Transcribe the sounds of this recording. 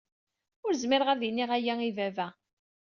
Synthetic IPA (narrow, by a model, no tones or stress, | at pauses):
ʊɾzmɪɾʁəɾðiniʁæjæivævæ